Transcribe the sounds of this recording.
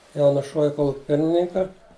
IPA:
ˈjɛʊ nʊˈʃuɔʋʲɪ ˈkoːlˠʊkʲɪ ˈpʲɪrʲmʲɪnʲɪŋkɐ

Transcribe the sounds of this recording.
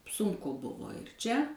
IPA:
ˈsʊŋkʊ ˈbʊʋoː ɪr ˈt͡ʃʲɛ

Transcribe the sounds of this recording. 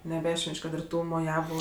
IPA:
nʲɛˈbʲæːʃʲʋʲɛnʲt͡ʃʲ ˈkɐt ɪr ˈtuː moːˈjæːʋʊ

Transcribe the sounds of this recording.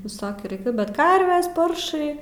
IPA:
ʋʲɪˈsoːkʲuː rɐɪˈkʲʊ bʲɛt ˈkɐrʲʋʲɛs ˈpɐrʃɐɪ

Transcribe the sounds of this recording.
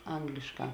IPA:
ˈɐŋɡlʲɪʃˌkɑː

